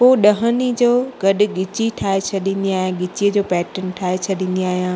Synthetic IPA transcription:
poːɗɐɦənid͡ʑoːɡɐɗʊ̆ɡɪt͡ɕiʈʰaːet͡ɕʰɐɗĩːn̆d̪iaːɦijãɡɪt͡ɕijəd͡ʑoːpɛːʈənʈʰaːet͡ɕʰɐɗĩːn̆d̪iaːɦijãː

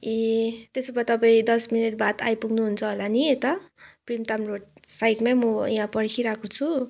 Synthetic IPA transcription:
et̪esʌbʌt̪ʌpaĩd̪ʌsminiʈ̚bat̪a̰jpuɡnuɦunt͡sʰʌɦolaniet̪ʌprimt̪amrosajʈmamʌjɦãpʌɽkʰiɾakot͡sʰu

